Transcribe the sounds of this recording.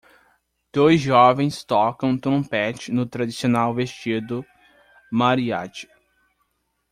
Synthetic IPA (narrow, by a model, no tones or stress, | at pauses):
d̪̥ojzʒɔvẽj̃st̪ɔkɐ̃w̃t̪ɾõpɛt͡ʃɪnʊt̪ɾad̪isionawvest͡ʃid̪ʊ | maɾia̰t͡ʃi̥